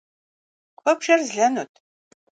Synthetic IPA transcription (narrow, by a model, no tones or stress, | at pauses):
qʷʰʼɔpʃɐrzɮɐnutʰ